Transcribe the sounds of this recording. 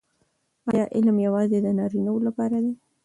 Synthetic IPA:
ɑjɑʔɪlmjawɑzed̪ənɑɾinawlapɑɾad̪e

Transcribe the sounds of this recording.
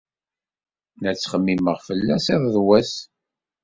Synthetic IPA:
næt͡sːχəmːiməʁfəlːæsiðˤðwæs

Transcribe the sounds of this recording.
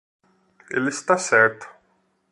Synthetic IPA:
ɪ̰lːɪst̪ɐsɛɾt̪

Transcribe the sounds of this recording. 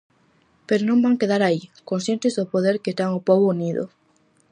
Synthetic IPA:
peɾonõmbaŋkeðaɾaikonsjent̪ezðopoðeɾket̪aŋopoβouniðo̰

